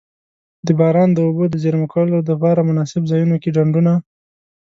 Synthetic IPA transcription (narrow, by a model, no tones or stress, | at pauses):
d̪əbɑɾɑnd̪əobod̪əzeɾmakawlod̪əpɑɾamʊnɑsɪbzɑjunokeɖaɳɖuna